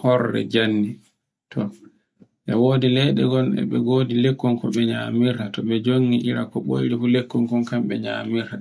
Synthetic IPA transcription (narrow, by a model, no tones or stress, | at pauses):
hɔɾːɛ̰d͡ʒanːi | tʰɔ | ɓɛwoːdilɛɗɛɡɔnɛ̰ɓɛɡoːdilekːɔŋkɔɓɛɲamiɾtatɔɓɛd͡ʒoŋːiʔiɾakɔɓo̰jɾifulekːɔŋkɔnkamɓɛɲa̰miɾta